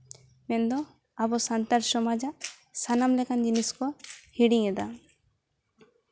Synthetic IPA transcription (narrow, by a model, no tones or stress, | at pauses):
mɛnd̪ɔ | abɔsant̪aɾsɔmad͡ʒa | sanamlɛkand͡ʒiniskɔhiɽiŋɛd̪a